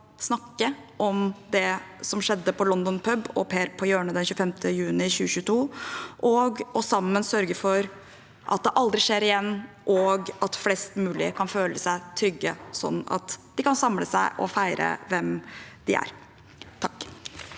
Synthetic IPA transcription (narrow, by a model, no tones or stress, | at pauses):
snɑkːə | ʔɔmd̪ɛsɔmʂɛd̪ːəpʰɔlɔnd̪ɔnpʰœbɔ̰pʰeːɾpʰɔjøːɳəd̪ɛnçʉːəfɛmt̪ʰəjʉːnɪçʉːɕʉːt̪ʰuːʔɔɡɔsɑmːənsœɾɡəfɔɾ | ʔɑ̰t̪̚d̪ɛʔɑld̪ɾɪʂeːɾɪjɛnː | ʔɔɡɑt̪flɛst̪mʉːlɪ̰kʰɑnføːləsæɪt̪ʰɾʏɡːəsɔ̰nːɑ̰t̪d̪̥ɪkɑnsɑmləsæɪʔɔ̰fæɪɾə̰ʋɛmd̪̥ɪæ̰ɾ | t̪ʰɑkː